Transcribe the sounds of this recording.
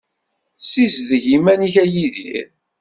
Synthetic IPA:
sizðəʝimæniçæjiðḭɾ

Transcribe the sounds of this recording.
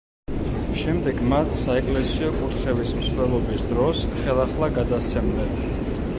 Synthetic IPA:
ʃɛmd̪ɛɡmat̪ʰsaɛkʼlɛsiɔkʼut̪χɛvismslɛlˠɔbisd̪ɾɔsχɛlˠaχlˠaɡad̪ast̪sʰɛmlɛp

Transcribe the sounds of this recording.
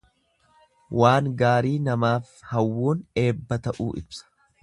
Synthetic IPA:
waːŋɡaːɾiːnɐmaːf | hɐwːoːne̞ːbːɐt̪ɐʔṵːʔɪ̰bsɐ̥

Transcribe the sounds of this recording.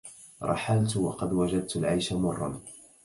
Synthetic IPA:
ɾˤɑ̰ħalt̪wɑ̰qɑd̪wad͡ʒad̪̚t̪alʕajʃamʊrˤːɑ̰n

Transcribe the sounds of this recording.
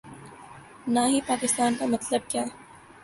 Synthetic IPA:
naːɦipaːkɪst̪aːnkamɐt̪ləb̚kjaː

